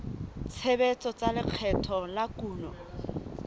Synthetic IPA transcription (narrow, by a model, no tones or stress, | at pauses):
t͡sʰebet͡sʼɔt͡salɪq͡χʰɛtʰɔlakuːnɔ